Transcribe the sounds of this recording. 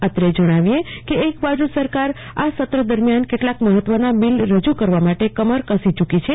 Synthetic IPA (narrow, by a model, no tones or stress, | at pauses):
ət̪ɾed͡ʒəɽ̃aʋiekeːkbad͡ʒusəɾkaɾ | asət̪ɾəd̪əɾmjankeʈlakməɦət̪ːʋənamilɾəd͡ʒukəɾʋamaʈekəməɾkəsit͡ʃukit͡ʃʰe